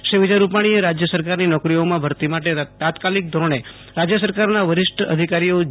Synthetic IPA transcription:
ʃeʋid͡ʒaɾupaɽ̃ieɾad͡ʒjəsəɾkaɾninɔkɾijomãbʱəɾt̪imaʈet̪at̪kalik̚d̪ʱoɾɳ̃e | ɾad͡ʒjəsəɾkaɾnaʋəɾɪʃʈʰəə̰d̪ʱikaɾijo

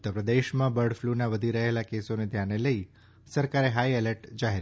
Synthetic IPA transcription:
ʊt̪ːəɾpɾəd̪eʃmãbəɾɽflunaʋəd̪ʱiɾəɦelakesoned̪ʱjaneləi | səɾkaɾeɦaieləʈd͡ʒaɦeɾ

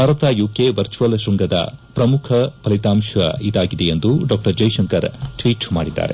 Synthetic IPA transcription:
bʱaːɾɐt̪aːjuːkeʋɐɾt͡ʃuʋɐlʃɾuŋɡɐd̪ɐ̰pɾɐmukʰɐpɐlit̪aːmʃʋɐ̰id̪aːɡid̪eend̪uɖaːk̚ʈɐɾd͡ʒɐjʃɐŋkɐɾʈʋiːʈsma̰ːɽid̪ːa̰ːɾe

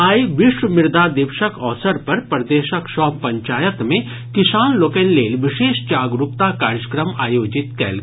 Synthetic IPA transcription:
aːiʋɪʃʋəmɪɾd̪ad̪ɪʋʃəkɔːsəɾpɐɾpɾɐd̪eːʃəkʃɔːppːɐ̃ɲt͡ʃaːjət̪mẽ | kɪsaːnloːkeːnleːlʋɪʃeːʃt͡ʃaːɡɾʊpt̪akaːɾjəkɾəmaːjoːd͡ʒɪt̪kɛ̰ːl

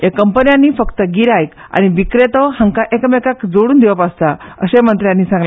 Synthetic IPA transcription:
jekːəmpənjãnːiːfəkt̪əɡiɾajk | a̰ñiʋikɾet̪ɔhãŋkaʔekəmekakd͡zoɽuːnd̪iʋəpast̪aə̰ɕemənt̪ɾjãnːiːsãŋɡl

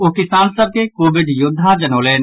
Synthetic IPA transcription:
okɪsaːnsəb̚kekoːʋɪɖjʊd̪ʱːad͡ʒɐnoːleːn

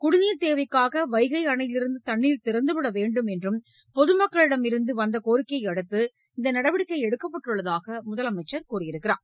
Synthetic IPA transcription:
kʊɽɪniːɾt̪eːʋɐɪkːaːɣɐʋɐɪɣɐɪɐɳɐjɪlɪɾɯnd̪ɯt̪ɐɳːiːlt̪ɪɾɐnd̪ɯʋɪɽɐʋeːɳɖɯmɛndrɯm | pɔðɯmɐkːɐɭɪɽɐmɪɾɯnd̪ɯʋɐnd̪ɐkoːɾɪkːɐɪɐɽɯt̪ːɯ | ɪnd̪ɐnɐɽɐʋɪɽɪkːɐɪɛɽɯkːɐpːɐʈːrɯɭːɐðaːɣɐmʊðɐlɐmɐɪt͡ʃːɐɾkuːrɪjɪɾɯkːɪɾa̰ː

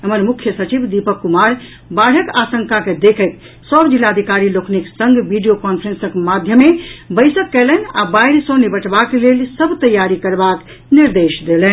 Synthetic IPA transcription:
ɦəməɾmukʰjəsət͡ʃibd̪ipəkːumaɾ | baɽ̤əkasəŋkaked̪ekʰət̪ | səbd͡ʒilːaəd̪ʱikaɾilokʰniksəŋɡbiɖijokɔnpʰəɾensəkmad̪ʱjəmːebəɪsəkːɛləna̰baiɾsõnebəʈbakelelsəbʱt̪əjːaɾikəɾbak | niɾd̪esd̪elɛn

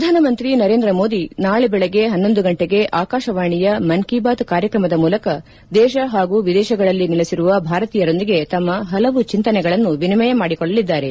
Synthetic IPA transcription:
ɐd̪ʱaːnɐmɐnt̪ɾinɐɾe̞ːnd̪ɾɐmo̞ːd̪inaːɭɛbɛɭɛɡe̞ɦɐnːo̞nd̪uɡɐɳʈeɡe̞ʔaːkaːʃɐʋaːɳijɐmɐnkibaːt̪kaːɾjɐkɾɐmɐd̪ɐmuːlɐkɐ | d̪ɛːʃɐɦaːɡuːʋid̪ɛːʃɐɡɐɭɐlːiniɭesiɾuʋɐbʱaːɾɐt̪iːjɐɾo̞nd̪iɡe̞t̪ɐmːɐɦɐlɐʋut͡ʃint̪ɐnɛɡɐɭɐnːuʋinimɐjɐmaːɽikɔɭːɐlid̪ːaːɾe̞

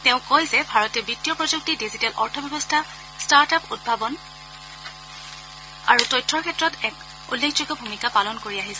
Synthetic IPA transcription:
teʊ̃kojzɛbʱaɹɔtɛbitːijɔpɹɔzuk̚tidizitɛlʔɔɹtʰɔbɛbɔstʰa | staɹtapud̚bʱabɔn | a̰ɹutɔjtʰɹɔɹkʰɛtːɹɔtɛk | ṵlːekʰd͡ʒoɡɔbʱumikapalɔnkoɹiaɦisɛ

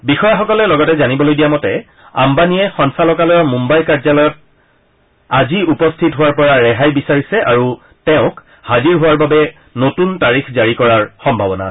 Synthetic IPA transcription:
bixɔjaxɔkɔlɛlɔɡɔtɛzanibɔlojdijamɔtɛ | a̰mbaniɛxɔnsalɔkalɔjɔmumbajkazalɔjɔt̚ | aziupɔstʰitɦʊwaɹpɔɹaɹɛɦajbisaɹisɛʔaɹu | tɛʊ̃k | haziɹɦʊwaɹbabɛ | notuntaɹixzaɹikɔɹaɹxɔmbʱabɔna̰

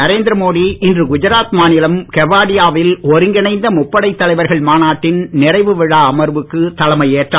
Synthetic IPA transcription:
ɐɾeːnd̪ɪɾɐmoːðiɪndrɯɡʊd͡ʒɐɾaːt̪maːnɪlɐmkɛʋaːɽɪjaːʋɪlɔɾɯŋɡɪnɐɪnd̪ɐmʊpːɐɽɐɪt̪ːɐlɐɪʋɐɾɣɐɭmaːnaːʈːɪnnɪrɐɪʋɯʋɪɻaːmɐɾʋɯkːɯt̪ɐlɐmɐɪeːʈraː

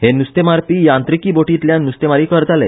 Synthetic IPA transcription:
henust̪emaɾpijãnt̪ɾikiboʈit̪ljãnust̪emaɾiːkəɾt̪alḛ

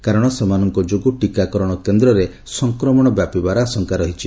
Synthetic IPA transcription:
kaɾɔɽ̃ɔsemanɔŋkɔd͡ʒoɡuʈikakɔɾɔɽ̃ɔkend̪ɾɔɾe | sɔŋkɾɔmɔɽ̃ɔbjapibaɾaːsɔŋkaɾɔɦit͡ʃʰi

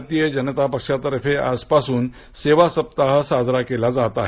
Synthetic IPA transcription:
t̪ijəd͡ʑənət̪apəkʂat̪əɾəfea̰spasuːn | seʋasəp̚t̪aɦəsad̪ʱɾakelad͡zat̪aɦe

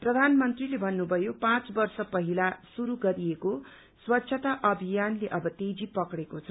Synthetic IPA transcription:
prʌd̪ʱanmʌnt̪rilebʱʌnːubʱʌjopãt͡sbʌrsʌpʌɦilasuɾuɡʌɾieko | swʌtːɕʰʌt̪aʔʌbʱijanleʔʌbʌt̪ed͡zipʌkɽekot͡sʰʌ

